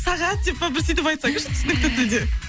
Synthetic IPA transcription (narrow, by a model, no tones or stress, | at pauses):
sɑʁɑt̪̚ːep̚babɪɾsejt̪ɪpɑjt̪sɑɡʃt̪ʰʏ̥sɪnɪkt̪ɪkt̪ʰʏɾd̪e